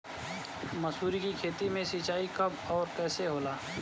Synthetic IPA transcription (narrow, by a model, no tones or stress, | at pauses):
məsuːɾikikʰeːt̪imẽsit͡ʃaːikɐbɔːɾkɛːseɦoːlaː